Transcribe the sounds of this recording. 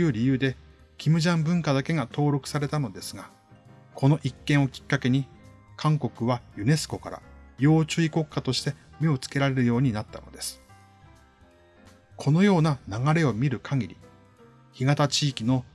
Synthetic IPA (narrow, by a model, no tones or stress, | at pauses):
jɯ̟ːɾʲijɯ̟ːd̪e̞ | kʲimɯ̟ʑãmbɯ̟̃ŋkad̪ake̞ɡat̪o̞ːɾo̞kɯ̟̥saɾe̞t̪ano̞d̪e̞sɨɡa | kʰo̞no̞ʔikːẽɰ̃okʲi̥kːake̞ɲ̟i | kʰãŋko̞kɯ̟βajɯ̟ne̞sɨ̥ko̞kaɾa̰jo̞ːt͡ɕɨiko̞kːat̪o̞ɕi̥t̪e̞me̞o̞t͡sɨ̥ke̞ɾaɾe̞ɾɯ̟jo̞ːɲ̟inat̪ːa̰no̞̰d̪e̞sɨ̥ | kʰo̞no̞jo̞ːnanaɡaɾe̞o̞mʲiɾɯ̟kʰaɡʲiɾʲḭ | çiɡat̪at͡ɕiːkʲino̞